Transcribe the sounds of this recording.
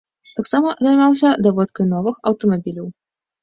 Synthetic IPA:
t̪aksamɐzajmawsʲɐd̪ɐvɔt̪kɐjnɔvɨxɐwt̪ɐmabʲilʲɐw

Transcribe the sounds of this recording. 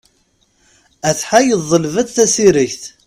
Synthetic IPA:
æθħajəðˤːəlvæðθæsiɾiçθ

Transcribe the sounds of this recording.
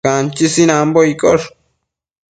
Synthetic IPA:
ant͡ʃisinãmboikoʂ

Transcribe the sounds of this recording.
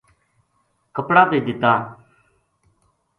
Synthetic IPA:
kəpɽaːt̪eːd̪ɪt̪ːaː

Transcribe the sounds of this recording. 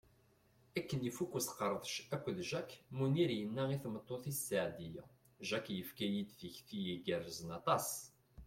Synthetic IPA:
ækːənifukːusə̥qəɾˤðˤʃækʷːðʒækːmuniɾjənːæiθmət̪ˤːoθisːaʕd̪ijæ | ʒækːjəfkæjid̪θəçfijiɡərəzənɑt̪ˤɑs

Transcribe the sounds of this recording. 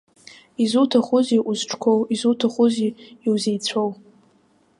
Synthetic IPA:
izutʰaχʊziʔuzʈ͡ʂʰʼkʷʰowizutʰaχʊziiwzejt͡sʷʰow

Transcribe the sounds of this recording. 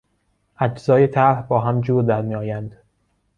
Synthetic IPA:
ʔæd͡ʒzɒːje̞t̪ʰæɾhbɒːɦæmd͡ʒuːɾd̪æɾmiːɒːjænd̪̥

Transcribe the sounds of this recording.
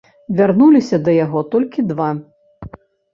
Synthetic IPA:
vʲarnulʲisʲɐd̪ɐjaɣɔt̪ɔlʲkʲid̪va

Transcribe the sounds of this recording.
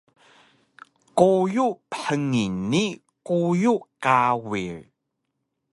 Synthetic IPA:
kojupəħəŋini | kujukawiɭ

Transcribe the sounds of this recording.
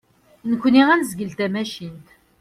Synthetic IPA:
nəkʷːniʁænzɡəlt̪æmæʃint̪

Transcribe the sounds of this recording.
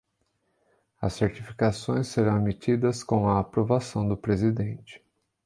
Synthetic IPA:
ɐsːeɾt͡ʃifikasõj̃sːeɾɐ̃w̃emit͡ʃid̪ɐskõɐːpɾovasɐ̃w̃d̪ʊpɾezid̪ẽnt͡ʃɪ̥

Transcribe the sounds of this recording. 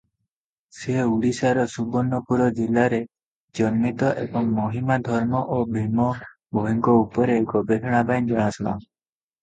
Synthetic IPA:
seuɽisaɾɔsubɔnːɔpuɾɔd͡ʒilaɾe | d͡ʒɔnmit̪ɔʔebɔŋmɔɦimad̪ʱɔɾmɔʔobʱimɔ | bʱoɦiŋkɔupɔɾeɡɔbeɦʰɔɽ̃abajnd͡ʒɔɽ̃asɔla̰

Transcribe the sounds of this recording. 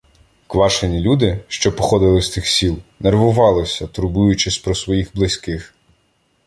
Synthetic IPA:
kʋɑʃenʲilʲud̪ɪʃt͡ʃɔpɔxɔd̪ɪlˠɪsʲt̪ɪxsʲilˠnerʋʊʋɑlˠɪsʲɐt̪ɾʊbujʊt͡ʃɪsʲpɾɔsʋɔjixblˠɪsʲkɪx

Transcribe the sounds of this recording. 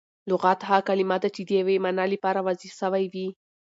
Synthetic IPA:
lʊɣat̪ɦakalimad̪at͡ʃɪd̪əjawemanalipɑɾawazisəwajwi

